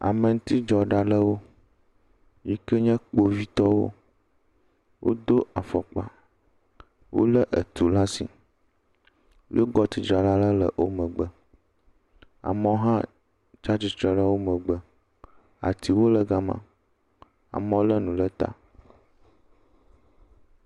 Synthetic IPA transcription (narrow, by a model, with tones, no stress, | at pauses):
a̰˨mə˨ŋũ˦t̪i˦d͡ʒɔ˨ɖa˨ɖə˦wo˦ | ji˦kə˦ɲɛ̃˦k͡po˦vi˦t̪ɔ˦wo̰˦ | wʔo̰˦d̪o˦a˨fɔ̰˨k͡pa˨ | wʔo̰˦lə˦ʔə˨t̪u˨la˦sḭ˨ | ḭ˦o˦ɡɔ˦t̪i˨d͡ʒɾa˨la˦lə˦lə̰˨wʔo˦mə̃˨ɡ͡bə˦ | a̰˨mə˦wo˦ɦã˦ | t͡ʃa˦t͡ʃi˦˨t̪ɾɛ˨ɖa˦wo˦mə̃˨ɡ͡bə˦ | a̰˨t̪i˨wo˦lə˨ɡa˦mã̰˦ | a̰˨mə˨wo˦lə˦nũ˨lə˦t̪a̰˦